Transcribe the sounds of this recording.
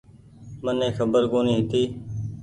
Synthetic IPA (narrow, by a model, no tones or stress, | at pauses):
mənẽːxəbəɾkoːniːɦɪt̪iː